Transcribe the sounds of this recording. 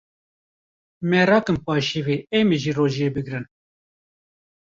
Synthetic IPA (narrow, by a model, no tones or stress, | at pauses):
mɛɾɑːkɨmpɑːʃiwiːemiʒiːroːʒijeːbɨɡɾɨn